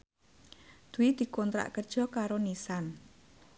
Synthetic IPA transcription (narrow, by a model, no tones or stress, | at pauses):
d̪̥uwid̪̥i̤kɔnt̪ɾa̰ʔkərd̥ʒ̥ɔ̤kaɾonisan